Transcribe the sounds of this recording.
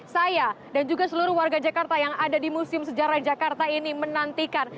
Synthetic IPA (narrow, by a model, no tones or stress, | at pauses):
saja | dand͡ʒuɡasəluɾʊhwarɡad͡ʒakart̪ajaŋadadimusɪmsəd͡ʒaɾahd͡ʒakart̪ainimənant̪ikan